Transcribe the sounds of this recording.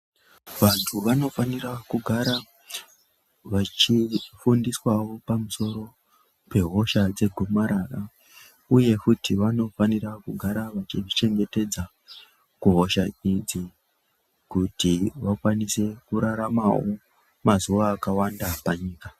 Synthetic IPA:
ʋantʰuʋano̞fanirakuɡʱaɾa | ʋat͡ʃifundiswawo̞pamuso̞ɾo̞ | pe̞ɦo̞ʃad͡ze̞ɡʱumaɾara | uje̞kutiʋano̞fanirakuɡʱaɾaʋat͡ʃiʐit͡ʃe̞ŋɡe̞te̞d͡za | kuɦo̞ʃaid͡zi | kutiʋakwanise̞kuɾaɾamao̞ | mazuʋaːkawandapaɲiːka

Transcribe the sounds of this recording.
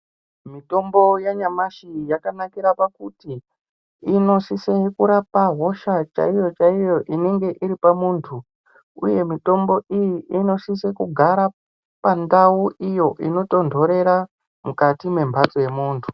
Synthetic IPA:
mito̞mbo̞jaɲamaʃijakanakiɾapakutiː | no̞sisekuɾapaɦo̞ʃat͡ʃa̰ijo̞t͡ʃaijo̞ʔine̞ŋɡe̞ʔiɾipamuːntʰu | ṵje̞mito̞mbo̞ʔijiʔino̞sisekuɡʱaɾa | pandauʔijo̞ʔino̞to̞ndʱo̞ɾe̞ɾa | mukatime̞mbʱat͡so̞je̞muːntʰu̥

